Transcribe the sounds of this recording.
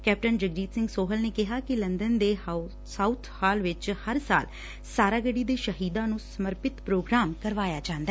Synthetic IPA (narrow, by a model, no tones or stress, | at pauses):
kɛːp̚ʈənd͡ʒəɡd͡ʒiːt̪sɪ̃ŋɡsoːɦəlneːkɪɦaːkɪlənd̪ənd̪eː | saut̪ʰhaːlʋɪt͡ʃhəɾsa̰ːl | saːɾaːɡəɽiːd̪eːʃəɦiːd̪ãːnũːsəməɾpɪt̪pɾoːɡɾaːmkəɾʋaːjaːd͡ʒãːnd̪a